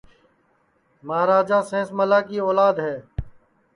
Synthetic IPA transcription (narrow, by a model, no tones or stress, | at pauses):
məaːɾaːd͡ʒãːsẽːsməlaːkiːɔːlaːd̪ɦɛː